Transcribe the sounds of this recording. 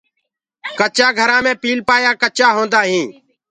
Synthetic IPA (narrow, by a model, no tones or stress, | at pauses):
kət͡ʃaːɡʱəɾãːmẽːpiːlpaːjaːkət͡ʃaːɦõːnd̪aːɦĩː